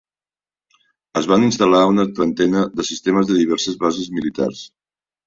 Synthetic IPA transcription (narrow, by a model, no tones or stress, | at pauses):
əzβaninst̪əlaunət̪ɾənt̪ɛnəðəsist̪eməzðəðiβ̞ɛɾsəzβazəzmilit̪a̰rs